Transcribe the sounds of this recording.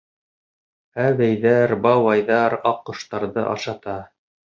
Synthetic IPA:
æβæjðæɾbɑwɑjðɑɾɑqːŏʃt̪ɑɾðɤ̰ʔɑ̰ʃɑt̪ɑ

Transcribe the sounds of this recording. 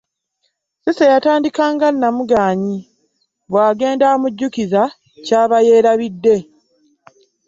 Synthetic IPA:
sesejataːndikaːŋɡanːamuɡaːɲi | βwaːɡe̞ːndaomuɟːukiza | caːβaje̞ːɾaβidːe̞

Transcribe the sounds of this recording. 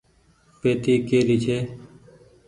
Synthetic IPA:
peːt̪iːkeːɾiːt͡ʃʰeː

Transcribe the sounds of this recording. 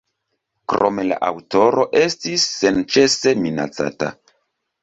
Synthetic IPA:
kɾo̞me̞la̰ʔawto̞ɾo̞ʔe̞stisːe̞nt͡ʃe̞se̞mina̰t͡sa̰ta̰

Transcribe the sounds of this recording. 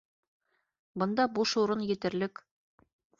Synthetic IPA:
bɤ̆nd̪ɑbuʃuɾɤnjɘ̆t̪ɘ̆ɾlɘk

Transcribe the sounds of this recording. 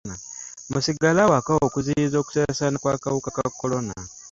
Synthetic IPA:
amusiɡalawakawo̞ːkuziɾizo̞ːku̥seasaːnakwakawukakakːo̞lo̞na

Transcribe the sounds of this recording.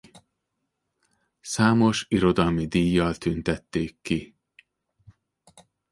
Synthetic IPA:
saːmo̞ʃiɾo̞d̪ɒlmid̪iːjːɒlt̪ynt̪ɛt̪ːeːkːi

